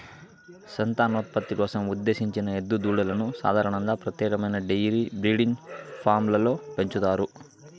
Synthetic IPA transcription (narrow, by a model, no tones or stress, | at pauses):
sɐnt̪aːnoːt̪̚pɐt̪ːikɔːsɐmud̪ːe̞ːʃiɲt͡ʃinɐed̪ːud̪uːɽɐlɐnusa̰ːd̪ʱaːɾɐɳɐŋɡ̪aːpɾɐt̪jɛːkɐmɐjnɐɖejɾiːbɾiːɽinpʰaːɾmlɐlo̞ːpe̞ɲt͡ʃut̪aːɾu